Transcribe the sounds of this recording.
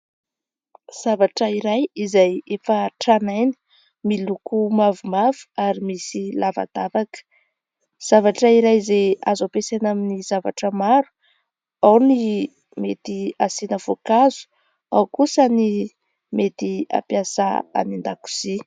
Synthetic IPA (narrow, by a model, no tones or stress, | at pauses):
z̥avaʈ͡ʂəiɾajizajefəʈ͡ʂanajnə̥ | milukumavumavu̥aɾimisilava̰d̪avakə̥ | z̥avaʈ͡ʂəiɾajizeazapesanaminiz̥ava̰ʈ͡ʂəmaɾu̥ | awni | met̪iasinəvokazu̥ | awkusəni | met̪ia̰pjasaa̰nind̪aku̥z̥i